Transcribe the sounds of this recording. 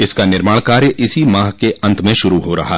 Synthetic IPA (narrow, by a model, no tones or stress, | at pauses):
ɪskanɪɾmaːɽkaːɾjəʔɪsimãːɦkeʔɐ̃nt̪ʰmẽʃʊɾuɦoɾɐ̰ɦa̰ː